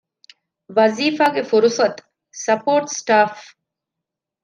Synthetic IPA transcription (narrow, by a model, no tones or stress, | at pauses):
ʋɐziːfaːɡefuɾusɐt̪ | sɐpoːɾʈsʈaːf